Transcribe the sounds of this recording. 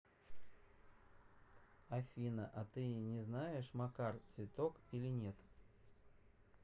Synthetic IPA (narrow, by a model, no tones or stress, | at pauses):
afʲinɐʔɐt̪ɨnʲɛznajɛʂmakart̪svʲɪt̪ɔkilʲinʲɛt̪